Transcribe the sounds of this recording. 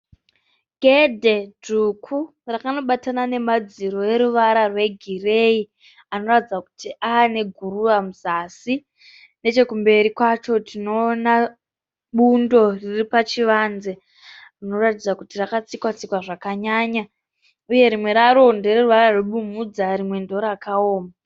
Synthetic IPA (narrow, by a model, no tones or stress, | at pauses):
ɡʱe̞dʱe̞dukʰu | rakano̞ɓatanane̞mad͡ziɾo̞e̞ɾuʋaɾarwe̞ɡʱire̞i | ano̞ratid͡zaku̥tiʔaːne̞ɡʱururamuzasi | ne̞t͡ʃe̞kumbe̞ɾikwat͡ʃo̞tino̞ːna | ɓundo̞riripat͡ʃiʋaːnze̞ | rino̞ratid͡zakutirakat͡sikwat͡sikwaʐakaɲaːɲa | uje̞ɾimwe̞ɾaɾo̞ndereruʋaɾarweɓumud͡zarimwe̞ndo̞ɾakaoːma